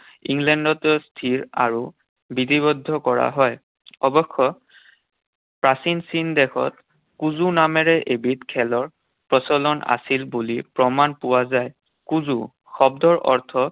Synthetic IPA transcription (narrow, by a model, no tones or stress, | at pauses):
iŋɡlɛndɔtɔstʰiɹa̰ɹu | bitibɔdʱːɔkɔɹa̰ɦɔj | ɔbɔxːɔ | pɹasinsindɛkʰɔ̰t̚ | kuzunamɛɹɛʔebitkʰɛlɔɹ | pɹɔsɔlɔna̰silbulipɹɔmanpʊwazaj | kuzṵ | xɔbdɔɹʔɔɹtʰɔ